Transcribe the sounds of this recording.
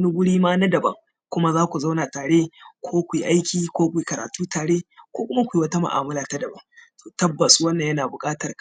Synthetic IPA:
nu˦ɡʷʊ˦ɽiː˦maː˦na˦dɐ˨bɐ̰˦ŋ | kʷʊ˦ma˦zaː˦kʷu˨za˦wnaː˨taː˨ɽe˦kʷʰoː˦kʷi˨ʔa˦jkʲiː˨kʷoː˦kʷiː˨kɐ˨ɾa̰ː˨tuː˦taː˨ɽeː˦kʷoː˦kʷʊ˦ma˦kʷːwɐ˦ta˦ma̰˨ʔa̰ː˨mʊ˦laː˨ta˦dɐ˨bɐ˦ŋtoː˨tɐ˦bːɐ˨su˦wɐ˦nːɐ˨jɐ˦naː˨bʊ˨kʼaː˦tɐ˨k

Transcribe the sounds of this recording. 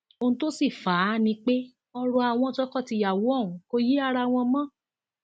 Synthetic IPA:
o˧nũ˧to˦si˦˨fa˨˦nĩ˧˦k͡pe˦ | ɔ˧ɾɔ˧a˨w̃ɔ̃˧d͡ʒɔ˦kɔ˦˨ti˧ja˨wo˨˦ɔ̃˦˨ũ˨˦ko˧ji˦a˦˧ɾa˧˨w̃ɔ̃˧mɔ̃˦˨

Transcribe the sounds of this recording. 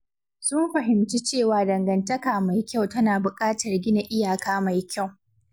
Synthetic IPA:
sʊ˦mɸɐ˨ɦɪ˨mt͡ʃi˦t͡ʃeː˦˨waː˨˦dɐ˨ŋɡɐ˨ntɐ˦kaː˨ma˨jkʲa˦˨wtɐ˦naː˨bʊ˨kʼaː˦tɐ˨rɡʲɪ˦na˨ʔɪ˦jaː˨kaː˦ma˨jkʲa˦˨w

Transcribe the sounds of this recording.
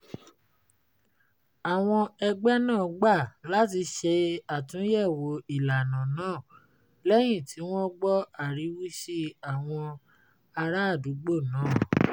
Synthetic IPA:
a˨w̃ɔ̃˧ɛ˧ɡ͡bɛ˦nãː˦˨ɡ͡ba˦˨la˨˦ti˧ʃe˧a˨tũ˨˦jɛ˦˨wo˨˧i˨la˨nã˨nãː˦˨ | lɛ˦j̃ĩ˦˨ti˨˦w̃ɔ̃˦ɡ͡bɔ˦a˦˨ɾi˨˦wi˦ʃi˦a˨w̃ɔ̃˧ | a˧ɾa˦a˦˨du˨˦ɡ͡bo˦˨nãː˨˦˨

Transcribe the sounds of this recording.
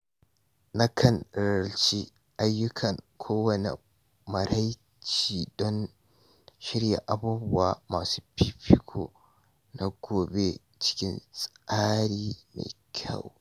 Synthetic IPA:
nɐ˦kʰɐ˨nɾɐ˨lt͡ʃi˦ | ʔa˨jːʊ˦kʰɐ˨ŋkʰoː˦wɐ˨nḛ˨ | mɐ˨ɾa˦j | t͡ʃiː˨dɔ˦n | ʃɪ˦ɾja̰˨ʔa˨buː˦bʊ˦wa˨maː˨suː˦pi˦pi˦kʰo̰˨ | na˨ɡoː˨be˦ | t͡ʃɪ̥˦kʲɪ˦nsʼʔaː˦ɾiː˦na̰˨kʲʰa̰˦˨w

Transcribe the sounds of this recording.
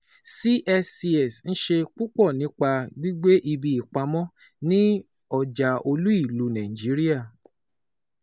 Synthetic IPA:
si˦ʔɛ˧si˧ɛ˨sñ̩˦ʃe˧k͡pu˦k͡pɔ˦˨nĩ˨˦k͡pa˧ɡ͡bi˦ɡ͡be˦ʔi˧bi˧˨i˨k͡pa˧mɔ̃˦ | nĩ˦ | ɔ˨d͡ʒa˨o˧lu˦i˦˨lu˨˦nã˨ĩ˨d͡ʒi˨˦ɾi˦a˦˨

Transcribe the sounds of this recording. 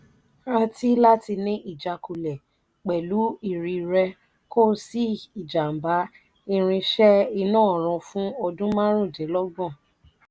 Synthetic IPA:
ã˧tʰi˦la˦ti˧nĩ˦ʔi˦˨d͡ʒa˧ku˧lɛ˨ | k͡pɛ˨lu˨˦i˦˨ɾi˧ɾɛ˧ | ko˦˨si˦i˨d͡ʒa˨m̩˨ba˨˦ | i˧ɾ̃ĩ˧ʃɛ˦i˧nãː˦˨ɾ̃ɔ̃˨˧fũ˦o˧dũ˦mã˦ɾ̃ũ˦˨d͡ʒɛ˨˦lɔ˦ɡ͡bɔ̃˦˨

